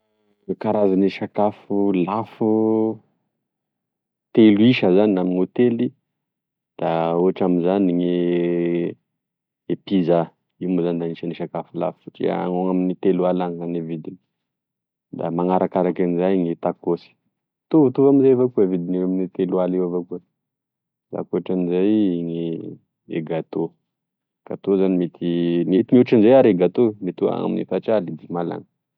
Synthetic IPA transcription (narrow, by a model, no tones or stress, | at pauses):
kaɾazaniʃakafulafu | t̪eluiʃəzaninamiɲot̪eli | d̪̥auɦaʈ͡ʂamizaniɲe | epiza | imozand̪aniʃaniʃakafula̰fʈ͡ʂḭa̰a̰ŋoŋaminit̪elualaŋzanevid̪ini | d̪a̰maŋaɾakaɾakanizajŋit̪akosi̥ | t̪uvt̪uvaminzejvakuvid̪ineaminit̪elualiwavakuə | da̰koʈ͡ʂanizajiŋi | ḛɡat̪o | kat̪ozanimet̪ʰinit̪iɲuʈ͡ʂanzajaɾeɡat̪omet̪ua̰ŋa̰minḭfat͡ʃalid̪imala̰ŋə